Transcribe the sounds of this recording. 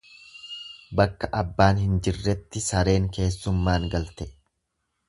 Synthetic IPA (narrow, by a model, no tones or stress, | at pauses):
bɐkːɐʔɐbːaːnhɪnd͡ʒɪrːɛt̪ːɪsɐɾe̞ːŋke̞ːsːʊmːaːŋɡɐlt̪ɛ